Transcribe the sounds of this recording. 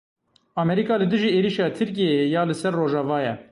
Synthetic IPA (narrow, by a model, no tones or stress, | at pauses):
ɑːmɛɾikɑːlɨd̪ɨʒiːeːɾiʃɑːt̪ʰɨɾk̬ijejɑːlɨsɛrːoːʒɑvɑːjɛ